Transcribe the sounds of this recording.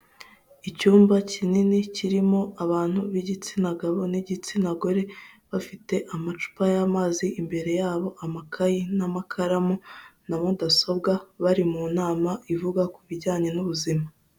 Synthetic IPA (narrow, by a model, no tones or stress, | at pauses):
icuːmbacininiciɾimo̞aβaːn̥huβiɟit͡sinaɡaβo̞niɟit͡sinaɡo̞ɾe̞βafite̞ʔamat͡ʃu̥pajamaːziʔimbe̞ɾe̞jaːβo̞ʔamakʰajinamakʰaɾamunamudaso̞b̚ɡaβaɾimunaːmaivuɡakuβiɟaːɲe̞nuβuzima